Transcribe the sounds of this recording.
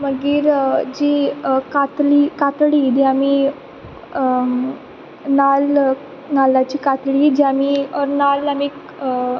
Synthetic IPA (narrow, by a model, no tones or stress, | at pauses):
məɡiːɾd͡ʑikat̪liːkat̪ɭiːd͡ʑ̪iamiː | nal | nalat͡ɕiːkat̪ɭiːd͡ʑiamiːɔɾnalamiːk